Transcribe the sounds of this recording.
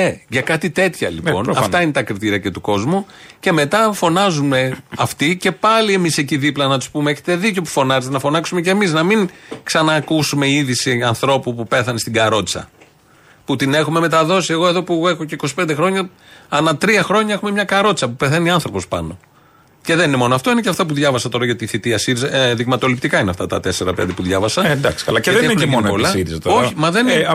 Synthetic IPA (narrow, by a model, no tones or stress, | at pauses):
eʝɐkɐt̪it̪e̞t̪çɐ̰lipo̞nɐfɐine̞t̪ɐkɾit̪iɾiɐce̞t̪uko̞zmuce̞me̞t̪ɐfo̞nɐzume̞ɐft̪ice̞pɐlie̞miseciðiplɐnɐt̪u̥spumeeçet̪e̞ðico̞pu̥fo̞nɐzet̪enɐfo̞nɐksume̞ce̞miznɐmiŋksɐnɐːkusume̞iðisiɐnθɾo̞pupupe̞θɐnest̪iɡɐɾo̞t̪t͡sɐ̰ | put̪ine̞xume̞me̞t̪ɐðo̞sie̞ɣo̞e̞ðo̞pue̞xo̞ce̞iko̞si̥pe̞nd̪e̞xɾo̞ɲɐɐnɐt̪ɾiɐxɾo̞ɲɐe̞xume̞mɲɐkɐɾo̞t̪t͡sɐpupe̞θeniɐnθɾo̞pospɐno̞ | ce̞ðeninemo̞noɐft̪o̞ineceɐft̪ɐp̬uðʝɐvɐsɐt̪o̞ɾɐʝɐt̪iːθit̪iɐsiɾizɐðiɣmɐt̪o̞lipt̪ikɐineɐft̪ɐ̰t̪ɐ̰t̪e̞se̞ɾɐpḛnd̪ipuðʝɐvɐsɐnd̪ɐksiɐlɐðɐinpollɐiɾizɐt̪oçimɐðen